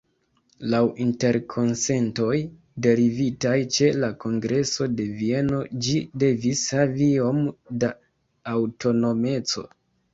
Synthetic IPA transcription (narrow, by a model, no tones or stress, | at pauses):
lawʔinte̞ɾkʰo̞nse̞nto̞j | de̞ɾivitajt͡ʃe̞lako̞ŋɡɾe̞so̞de̞vie̞no̞d͡ʒide̞vishavio̞mdaː | wto̞no̞me̞t͡so̞̰